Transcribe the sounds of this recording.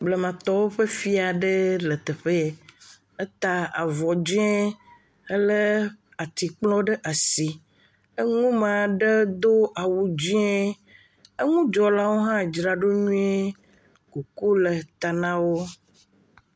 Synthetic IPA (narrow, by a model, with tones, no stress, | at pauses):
ble˨mã˨t̪ɔ˦wo˦ɸe˦fi˦a˨ɖe˦lə˨t̪e˨ɸe˦e˨ | e˦t̪a˨a̰˨vɔ˨d͡ʒi˦e˦ | e˦le˦ | a˨t̪i˨k͡plɔ̃˦ɖə˦ʔa˨si˨ | e˦ŋũ˦mã˨ɖe˦d̪o˦ʔa˨wu˨d͡ʑi˦e˦ | e˦ŋũ˦d͡ʒɔ˨la˦wo˦ɦã˦d͡ʒɾa˨ɖo˦ɲũ˦e˦ | ku˨ku˦le˨t̪a˨nã˦wo˦